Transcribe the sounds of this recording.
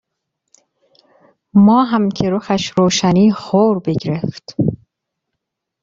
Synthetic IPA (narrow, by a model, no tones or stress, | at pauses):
mɒːɦæmcʰeɾoxæʃɾoːʃæniːxoːɾbeɟɾeft̪